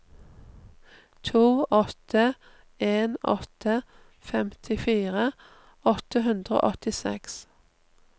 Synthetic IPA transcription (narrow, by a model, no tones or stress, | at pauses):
t̪ʰuːʔɔt̪ʰə | eːnɔ̰t̪ʰə | fɛmt̪ʰɪfiːʁə | ɔt̪əɦʉnd̪ʁəo̰ːʔɔt̪ɪsɛ̰ks